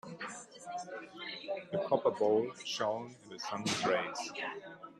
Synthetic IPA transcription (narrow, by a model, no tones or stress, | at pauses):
ðəpʰɹ̥ɔpə˞boʊlˠʃõʊ̃nɪ̃nðəsʌ̃ndəɹeɪs